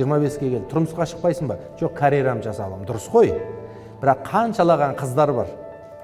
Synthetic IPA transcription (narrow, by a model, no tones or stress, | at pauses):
ʒijəɾmɑbe̞skʲe̞kʲʰeɪ̥t̪ʰʊɾməsqɑʃə̥q̚pɑjsəɴbɑʒ̥o̞qkʰaɾʲejɾamʒɑsɑlˠɑmd̪ʊɾəsqo̞j | b̥ɪɾɑqʰːɑnʃɑlˠɑʁɑɴqʰəzd̪ɑɾbɑ̰ɾ